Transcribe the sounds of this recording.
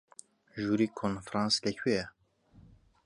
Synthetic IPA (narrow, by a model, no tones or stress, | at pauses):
ʒuːɾiːkʰonfɾɑ̃nslɛkʰiɛ